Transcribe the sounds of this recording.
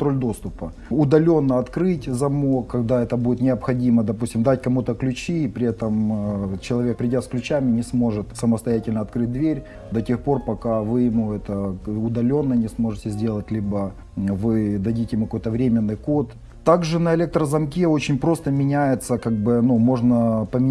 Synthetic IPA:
t̪ɾolʲd̪o̞st̪ʊpə | ʊd̪ɐlʲo̞nːəɐt̪kɾɨtʲzɐmo̞kːɐɡd̪aɛt̪əbudʲɪt̪nʲɪɐpxɐdʲiməd̪ɐpusʲtʲɪmd̪atʲkɐmut̪əklʲʉt͡ɕiːpɾʲɪɛt̪əmt͡ɕɪlˠɐvʲe̞k̚pɾʲɪdʲat̪sklʲʉt͡ɕæmʲɪnʲɪsmo̞ʐɨt̪səməst̪ɐjætʲɪlʲnɐt̪kɾɨt̚ʲd̪vʲeɾʲ | d̪ɐtʲe̞xpo̞rpɐkavɨjɪmuɛt̪əʊd̪ɐlʲo̞nːənʲɪsmo̞ʐɨtʲɪzʲdʲe̞lˠətʲlʲibə | vɨd̪ɐdʲitʲɪjɪmukɐko̞jt̪əvɾʲemʲɪnːɨjko̞t̪ | t̪aɡʐɨnəɪlʲek̚t̪ɾəzɐmk̬ʲeo̞t͡ɕɪnʲpɾo̞st̪əmʲɪnʲæjɪt̪səkaɡ̚bɨnumo̞ʐnəpəmʲɪ

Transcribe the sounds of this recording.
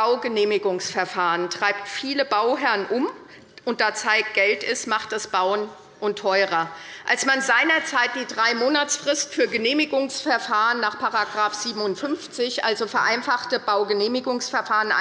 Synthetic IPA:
aʊɡəneːmɪɡʊŋsfɛɐfaːʁəntʁ̥aɪp̚tfiːləbaʊɦɛʁnʔʊm | ʔʊnt̚d̥aːt͡saɪk̚ɡ̥ɛltɪstmaχtd̥asb̥aʊən | ʔʊntʰːɔʏʁɐʔalsmanzaɪnɐt͡saɪt̚d̥iːdʁaɪmoːnat͡sfʁ̥ɪstfyːɐɡəneːmɪɡʊŋsfɛɐfaːʁənːaːχpʰaʁaɡʁaːfz̥iːbm̩ʊntfʏnft͡sɪçʔalzofɛɐʔaɪnfaχtəb̥aʊɡəneːmɪɡʊŋsfɛɐfaːʁəna̰

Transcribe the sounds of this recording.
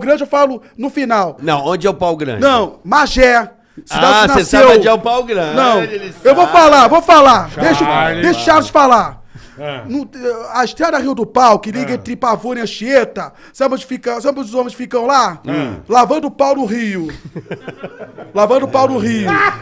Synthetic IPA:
ɡɾɐ̃d͡ʒɪewfalʊ | nʊfinawnɐ̰̃w̃õd͡ʒɪɛʊpawɡɾɐ̰̃d͡ʒnɐ̃w̃maʒɛ | sianaeseõd͡ʒɪɛʊpawɡɾɐ̃nɐ̃w̃ewvowfalavowfalad̪ejʃʊd̪ejʃʊ̥ʃad̪ʊd͡ʒɪfala | nũaiʃt̪ɾẽd̪ɐʁiwd̪ʊpawkɪliɡɐẽt̪ɾɪpavoɾĩɐ̃ʃiet̪ɐ | sɐ̃bɐ̃d͡ʒɪ̥fikɐsɐ̃bɐ̃zʊzõmẽsfikɐ̃w̃lãlavɐ̃nd̪ʊpawnʊɦiʊ | lavɐ̃nd̪ʊpawnʊɦiʊ

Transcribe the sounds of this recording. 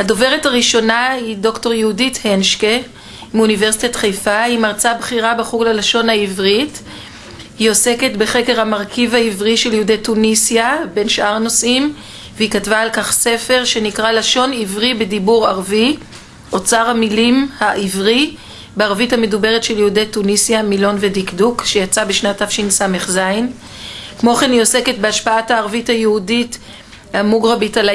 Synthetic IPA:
hado̞ve̞ʁethaʁiʃo̞nahido̞kto̞ʁjeudithenʃke | munive̞ʁsit̪atχejfahimaʁt͡sabχiʁabeχuɡlalaʃo̞nhaivʁit | hio̞se̞ke̞tbeχe̞ke̞ʁhamaʁkivhaivʁiʃe̞ljeudejtunisjabe̞nʃʔaʁno̞sʔim | veikatvaːlkaχse̞fe̞ʁʃe̞nikʁalaʃo̞nivʁibe̞dibuʁaʁvi | ʔo̞t͡saʁhamilimhaʔivʁi | beaʁvithame̞dube̞ʁetʃe̞ljeudetunisjamilo̞nvedikdukʃejat͡sabeʃnatafʃinsame̞χzain | kmo̞χenio̞se̞ket̚beaʃpaathaːʁvithajeudit | amuɡʁabitala

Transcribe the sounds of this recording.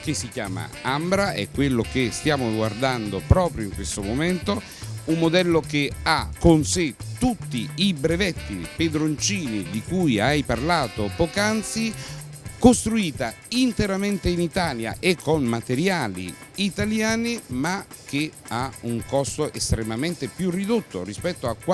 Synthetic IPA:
kesːikjaːma̰ambɾaɛ̰kːwelːok̟est̪jaːmoɡward̪and̪opɾɔːpɾjoiŋkwest̪omomɛnt̪o | umːod̪ɛlːokeakːonset̪ut̪ːiibɾevɛt̪ːiped̪ɾont͡ʃiːnid̪ikujajparlaːt̪opɔkant̪si | kost̪ɾuiːt̪a | int̪eɾament̪einit̪aːlja̰ʔekʰːonmat̪eɾjaːlḭːt̪aljaːnimakeauŋkɔst̪oʔest̪ɾemament̪epjurːid̪ot̪ːo̰rispɛt̪ːoakːwa

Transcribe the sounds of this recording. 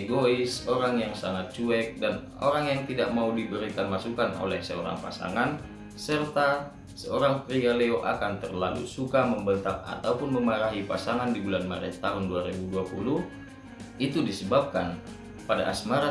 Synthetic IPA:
ɡoisɔɾaŋjaŋsaŋat̪̚t͡ʃuɛk̚dan | ɔ̰ɾaŋjaŋt̪idaʔmaudibəɾikanmasukano̰lɛhsɛɔ̰ɾa̰ŋpa̰sa̰ŋan | sərt̪a | sɛoɾaŋkɾialeoʔa̰kant̪ərlalṵsukaməmbənt̪aŋa̰t̪aupunməmaɾaɦipasaŋandibulanmaɾɛtt̪ːaɦunduaɾibuduapuluh | it̪udisəbap̚kan | pada̰ʔasmaɾa

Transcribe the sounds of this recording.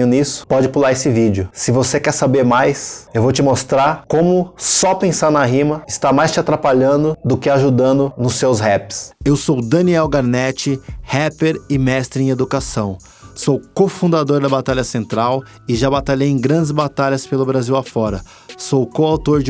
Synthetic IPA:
ʊnisʊ̥pɔd͡ʒɪpulaɾesɪvid͡ʒɪʊsɪvosekɛɾsabeɾmajsewvowt͡ʃɪmost̪ɾaɾkõmʊsɔpẽsaɾnaɦĩmɐɪst̪amajst͡ʃɪat̪ɾapaʎɐ̃nd̪ʊd̪ʊkɪaʒud̪ɐ̃nd̪ʊnʊsːewshɛpɪ̥sewsowd̪ɐniɛwɡaɾnɛt͡ʃɪhɛpeɾɪmɛst̪ɾɪẽed̪ukasɐ̃w̃ | sowkofũd̪ad̪oɾd̪ɐbat̪aʎɐsẽnt̪ɾaw | ɪʒabat̪aʎejẽj̃ɡɾɐ̃nd͡ʒɪzbat̪aʎɐspelʊbɾaziwafɔɾɐ | sowkoawt̪oɾd͡ʒɪ

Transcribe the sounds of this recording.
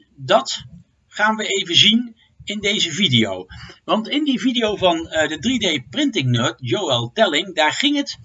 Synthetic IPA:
dɑt | χaːnʋəejvəzin | ɪndejzəvidijo̰wʋɑntɪndividijowvɑndədridejprɪntɪŋnøtjowɛlˠtɛlɪŋdaːɹχɪŋɦət

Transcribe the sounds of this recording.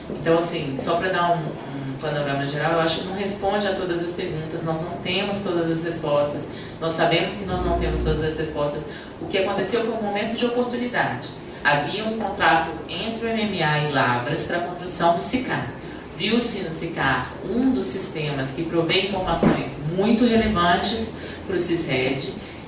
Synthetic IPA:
ẽt̪ɐ̃w̃asĩsɔpɾɐd̪aɾũ | ũpɐ̃noɾɐ̃mɐʒeɾawewaʃʊ̥kɪnɐ̃w̃ɦespõnd͡ʒɪat̪od̪ɐzɐspeɾɡũt̪ɐsnɔznɐ̃w̃t̪ẽmʊst̪od̪ɐzɐshespɔst̪ɐs | nɔssːabẽmʊskɪnɔznɐ̃w̃t̪ẽmʊst̪od̪ɐzɐshespɔst̪ɐs | ʊkɪakõnt̪esewkoɾũmomẽnt̪ʊd͡ʒɪopoɾt̪ũnid̪ad͡ʒɪ | aviɐũkõnt̪ɾat̪ʊẽnt̪ɾɪʊẽmẽmiaɪlavɾɐspɾɐkõst̪ɾusɐ̃w̃d̪ʊsika | viwsɪnʊsikaɾ | ũd̪ʊsːist̪ẽmɐskɪpɾovejĩfoɾmasõ̰j̃zmũj̃t̪ʊɦelevɐ̃t͡ʃɪs | pɾʊsizhɛd͡ʒɪ

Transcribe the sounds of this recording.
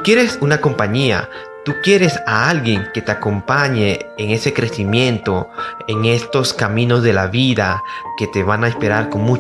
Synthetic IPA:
kje̞ɾe̞sunako̞mpaɲia̰ | t̪ukje̞ɾe̞saalɣje̞ŋke̞t̪e̞ako̞mpaɲe̞ːŋe̞se̞kɾe̞simjẽ̞nt̪o̞eŋe̞st̪o̞skamĩno̞zðe̞laβiðake̞t̪e̞βanaespe̞ɾaɾko̞ŋmu

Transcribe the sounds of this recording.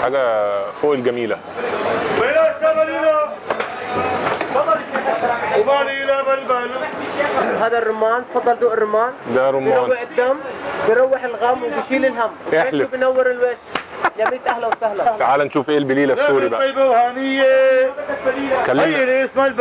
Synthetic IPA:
ħaːɡafoːd̪ɡamiːla | welakabalila | fɑd̪ˤːɑl | banilababal | ɦaːd̪arˤːʊmaːnt̪fɑd̪ˤːɑld̪oːʔɪrˤːʊmaːnd̪aɾˤʊmɑːwːɪħɪd̪ːambjɾˤɑwːɪħɪlɣamːwɪbɪʃiːlɪlɦamːwʔelbjnawːɪɾɪlweʃjamiːt̪ʔahlawsahlafaʕaːlanʃuːfʔeːlbɪliːlauːɾibaajbawhaːnɪjːe | kaljelesmalb

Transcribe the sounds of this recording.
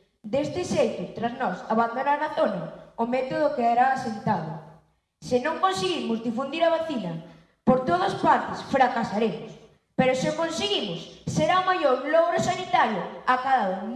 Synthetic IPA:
d̪est̪ɪʃejt̪ʊt̪ɾaznɔsaβand̪onaɾnaθonɐʊmɛt̪oð̞ʊkeaɾaːsent̪aðʊ | sɪnõŋkonseɣimʊzðifund̪iɾɐβaθinɐ | poɾt̪oðaspaɾt̪ɪsfɾakasaɾemʊs | peɾʊsɪokonseɣimʊsːeɾaomajoɾlɔɣɾosanit̪aɾjʊakaðaðʊ

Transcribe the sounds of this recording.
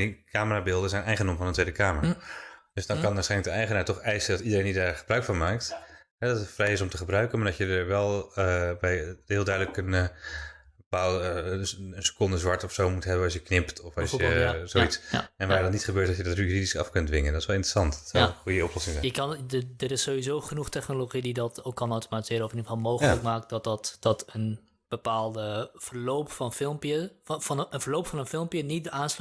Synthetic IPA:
kʰaːməraːbɪːlˠdəzɛjnɛjχənomfɑnəntʋejdəkaːmərad̥øsdɑnkɑnʋasχɛjnlədəɛjχənaːɹtɔχɛjsədɑtidəɾejnidaːɹχəbrœɥkfɔnmaːk̚t | ɦɛdɑtətfrɛjɪsɔmtəχəbrœɥkənmaɹdtjədəɹʋɛlˠəbɛjɦɪːlˠdœɥdələkən | əpaːlˠəənsə̥kʊndəzʋɑɹtɔfsowmutɦɛbənɑsjəknɪptʰɔfɑsəzoitsɛnʋaːdɑnitχəbøːɹtɑjədɑtyyridisɑ̰fkʏndʋɪŋəndtɪsʋɛlˠɪntrə̥sɑnttsɔlənχujəɔplɔsɪŋzɛ̰əkndəɾɪsːowʋizoːχənuχtɛχnoloχididɔtokːɑnawtomatizɪːɾənɔfɪndifɔlˠmowxələkmaːk̚tdɔt̚ɔtd̥ɔtən | b̥əpaːlˠdəfərlowpfɔnfɪlˠmpjənənvərlowpfɔnənfɪlˠmpjənit̚dəaːns

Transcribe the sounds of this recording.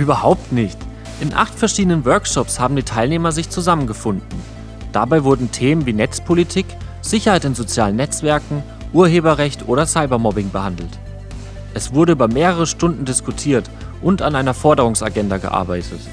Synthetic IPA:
ʔyːbɐhaʊp̚tnɪçt | ʔɪnʔa̰χtfɛɐʃiːdənənvœɐkʃɔpshaːbm̩diːtʰaɪlneːmɐzɪçt͡suzamənɡəfʊndn̩ | d̥abaɪvʊɐdn̩tʰeːmənviːnɛt͡spʰolitʰiːk | z̥ɪçɐhaɪtɪnzot͡sjaːlənɛt͡sv̥ɛɐkŋ̩ | ʔuːɐɦeːbɐʁɛçtʔoːɾɐsaɪbɐmɔbɪŋbəhandl̩t | ʔɛsv̥ʊɐɾəyːbɐmeːʁəʁəʃtʊndn̩dɪskutʰiːɐt | ʔʊntanʔaɪnɐfɔɐdəʁ̞ʊŋsa̰ɡɛndaɡə̰ʔa̰ɐbaɪtʰət

